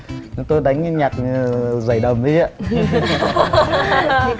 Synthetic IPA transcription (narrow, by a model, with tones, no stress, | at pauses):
n˨˦t̪o˧jɗa˨˦jŋ̟˧ɲaː˨˩k̚za˧˩jɗə˨˩ŋ͡mɗi˨˦za˧˦